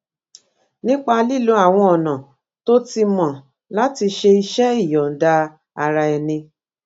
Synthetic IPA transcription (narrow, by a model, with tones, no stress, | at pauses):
nĩ˦k͡pa˧li˦˨lu˦a˦˨w̃ɔ̃˧ɔ˨nã˨ | to˦ti˧mɔ̃˨ | la˨˦ti˧ʃe˧i˧ʃɛ˦i˦˨jɔ˨n̩˨da˧ | a˧ɾa˧ɛ˧nĩ˧